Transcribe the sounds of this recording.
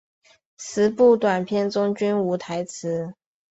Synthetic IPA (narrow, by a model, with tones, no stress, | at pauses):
t͡sʰɹ̩˧˥pu˥˩t̪wa˨˩npʰjɛ˥˩nt͡sʊ˥ŋt͡ɕy˥nu˧˥t̪ʰa˧˥ɪt͡sʰɹ̩˧˥